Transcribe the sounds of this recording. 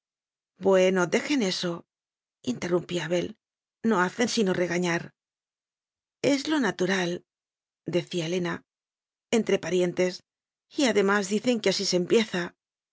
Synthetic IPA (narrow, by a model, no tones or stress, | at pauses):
bwe̞no̞d̪e̞xe̞ne̞so̞ | int̪e̞rumpiaβe̞l | no̞aθe̞nsino̞re̞ɣaɲaɾ | e̞zlo̞nat̪uɾal | d̪e̞θiaele̞na | e̞nt̪ɾe̞paɾje̞nt̪e̞s | iaðe̞mazðiθe̞ŋkeasise̞mpje̞θa